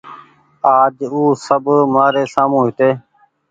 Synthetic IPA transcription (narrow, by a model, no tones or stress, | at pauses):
aːd͡ʒuːsəbmaːɾeːsaːmũːɦɪt̪eː